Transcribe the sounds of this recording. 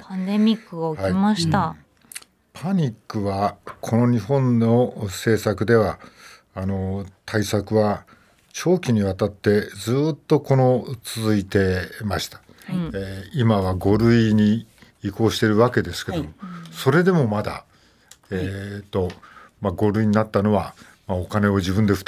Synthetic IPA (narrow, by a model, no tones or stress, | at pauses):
pʰãnd̪emʲikːɯohimaɕit̪a | pʰaɲ̟ikːɯ̟βakʰo̞no̞ɲ̟iɦõ̞nːo̞se̞ːsakɯ̟d̪e̞βaː | no̞t̪ʰaisakɯ̟βa | t͡ɕo̞ːkʲiɲ̟iβat̪at̪ːe̞d͡zɨːt̪ːo̞ko̞no̞t͡sɨzɨit̪e̞maɕi̥t̪ḁ | eimaβaɡo̞ɾɯ̟iɲ̟iː | ko̞ːɕi̥t̪e̞ɾɯ̟βake̞d̪e̞sɨ̥ke̞domoso̞ɾe̞d̪e̞mo̞mad̪a̰ | et̪ːo̞maɡo̞ɾɯ̟iɲ̟inat̪ːano̞βa | maokane̞od͡ʑibɯ̃nd̪e̞ɯ̥t̪